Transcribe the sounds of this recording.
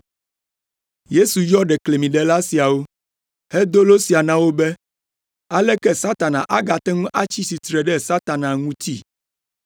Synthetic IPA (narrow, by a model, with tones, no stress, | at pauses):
je˦su˨jɔ˦ɖɛ˨kle˨mĩ˨ɖɛ˨la˦si˨a˨wo˦ | hɛ˦d̪o˦lo˦si˨a˨nã˦wo˦bɛ˦ | a˦lɛ˦kɛ˦sa˦t̪a˨nã̰˨ʔa˦ɡa˨t̪ɛ˦ŋũ˦ʔa˦t͡ɕi˦si˨t̪ɾɛ˨ɖɛ˦sa˦t̪a˨nã˨ŋũ˦t̪ḭ˦